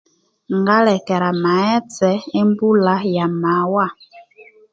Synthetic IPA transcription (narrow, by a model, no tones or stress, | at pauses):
ŋɡalɛkɛɾamaɛt͡sɛembulajamawa